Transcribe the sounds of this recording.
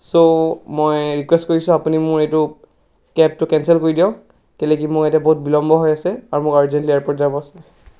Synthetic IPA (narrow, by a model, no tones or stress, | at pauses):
somojɹikwɛstkoɹisʊ̃apunimʊɹetʊ | kɛptʊkɛnsɛlkoɹidijɔ | kɛlek̬imʊɹɛtaboɦut̚bilɔmbɔɦɔjasɛaɹumʊkaɹzɛntliaɹpɔtzabɔasɛ